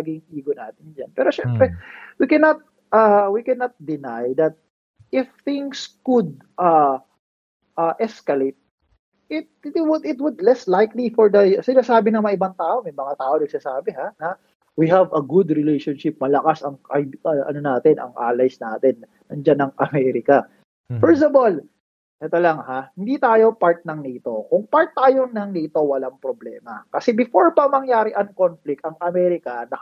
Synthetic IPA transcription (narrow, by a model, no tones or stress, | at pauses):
aɡɪŋʔiːɡonaːt̪ɪnd͡ʒɐ̰npɛːɾoʃɛmppɾɛwikɛnɐt̪̚ | awikɛnɐt̪̚d̪ɪnajd̪ɐt̪̚ | ʔɪfθɪ̃ŋskʊd̪̚ | ʔa | ʔɐʔɛskɐlejt̪̚ | ʔɪt̪̚ɪt̪wʊd̪ɪt̪wʊd̪lɛslajklifɔɹd̪ɐsɪnaːsaːbɪnɐmɐʔɪbant̪aːʔomɐjmɐŋat̪aːʔonɐɡ̥̚saːsaːbɛɦanɐ | wiɦɐvɐɡud̪ɾɪlejʃonʃɪp̚mɐlɐkasɐŋʔajɐʔɐ̰nonaːt̪ɛnɐ̰ŋʔa̰ːlɐjsnaːt̪ɛnːɐŋd͡ʒanɐŋʔɐmɛɾɪkɐ | fɛɹs̬t̪ɐvol | ʔɛt̪olɐŋhahɪnd̪iːt̪aːjo̞paɹt̪̚nɐŋnit̪o̞kʊŋpaɹt̪ːaːjoŋnɐŋnit̪o̞wɐlaŋpɾoblɛ̰ːmɐkɐsɛbɪfoɹpɐŋmɐŋjaːɾɪʔɐŋkonflɪk̚t̪ɐŋɐmɛːɾɪkɐnɐ